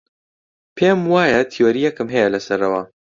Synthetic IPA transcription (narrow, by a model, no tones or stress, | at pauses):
pʰeːmwaːjɐt̪ʰioɾijɛkɨmɦɛjɛlɐsɐɾɐwa